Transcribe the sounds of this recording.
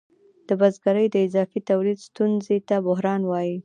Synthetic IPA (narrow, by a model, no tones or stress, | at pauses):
d̪̥əbazɡaɾəjd̪əɪzɑfit̪awlid̪st̪unzet̪abʊɦɾɑnwɑji